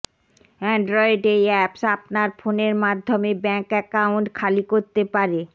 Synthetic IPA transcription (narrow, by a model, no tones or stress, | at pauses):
ɛɳɖɾɔeɖejɛpsapnaɾfoneɾmad̪ʱːomebɛŋkɛkawɳʈkʰalikoɾt̪epaɾe